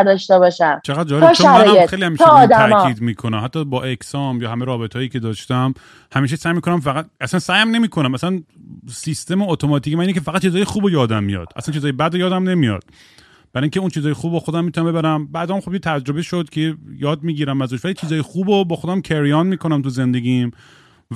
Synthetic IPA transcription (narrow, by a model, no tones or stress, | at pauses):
ɾd̪ɒʃt̪ebɒːʃæmt͡ʃʰeɣæd̪̚d͡ʒɒːjeʃoæmɾːjexejlihæmiːʃʰeːd̪ææmɒkːiːd̪miːkʰonæmhæt̪ːɒːbɒːʔekʰsɒmjɒːɦæmeɾɒːbet̪ʰɒːjiːcʰe̞d̪ɒːʃt̪æm | hæmiːʃ̬esæːjmiːkʰonæmfæɣæt̪̚æsænsæːjæmne̞miːkʰonæmæsænsist̪e̞moot̪ʰomɒt̪ʰiːcemæninekʲʰefæɣæt̪̚ːt͡ʃizɒːjexuːbojɒːd̪æmːijɒ̰ːd̪̥ʔæ̰slænt͡ʃizɒːjebæd̪ojɒːd̪æmne̞mijɒ̰d̪̥̚ | b̥æɾɔːjiŋkʰʲceunt͡ʃʰiːzɒːjexubbɒxod̪æmːit̪unæmbebæɾæmbæːd̪æːmxobjet̪ʰæd͡ʒɾo̞beʃod̪cʰejɒːd̪̚miːɟiːɾæmæzuʃʋælit͡ʃʰiːzɒːjexuːbobɒːxod̪æmcʰeɾijɒːnmiːkʰo̞næmt̪ʰuze̞nd̪e̞ɡʲim